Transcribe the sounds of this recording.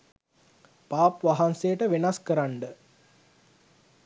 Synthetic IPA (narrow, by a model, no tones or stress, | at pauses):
paːpʋaɦansejəʈəʋenaskəɾaɳɖə